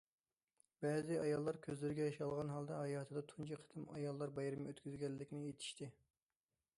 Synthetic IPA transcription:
bɛːzɪɑjɑlˠːɑɾkʲʰøzlɪɾɪɡʲɛjɑʃɑlˠʁɑnɦɑlˠd̪ɑɦɑjɑːt̪ʰɨd̪ɑt̪ʰunt͡ʃʰiqʰːə̥t̪ʰɨmɑ̰jɑlˠːɑɾbɑjɾɨmøt̪kʲyzɡʲɛlːɪkʲnɪjet̪ʰɪ̥ʃt̪ɪ

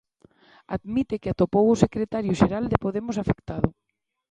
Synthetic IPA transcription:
a̰ðmit̪ekat̪opowʊsekɾet̪aɾjʊʃeɾald̪epoðemʊsafekt̪að̞ʊ

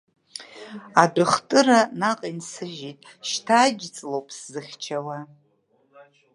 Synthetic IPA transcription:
adɨχtʼɨɾanaqʼinsɨʒitʼ | ʃtʰaːɡʲt͡sʼlowpʼszɨχʲt͡ʃʰawa

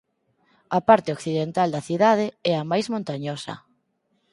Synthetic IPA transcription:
ɐpaɾt̪eokθiðent̪ald̪ɐθiðað̞eɛɐmajzmõnt̪aɲosɐ̰

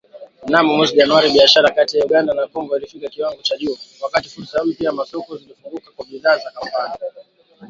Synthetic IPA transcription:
namɔmwɛziʄanuwaɾiɓiaʃaɾakatijauɠandanakɔŋɡɔilifikakiwaŋɡɔt͡ʃaʄuɔwakatifuɾsahupiamasɔkɔzilifuŋɡukakwaɓiðaːzakampani

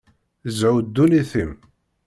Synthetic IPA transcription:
zʕud̪ːuniθim

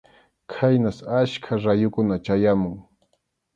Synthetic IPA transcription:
kʰajnasaʃkʰaɾajʊkʊnat͡ʃajamʊŋ

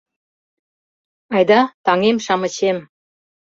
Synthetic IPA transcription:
ɑjd̪ɑt̪ɑŋemʃɑmə̆t͡ɕem

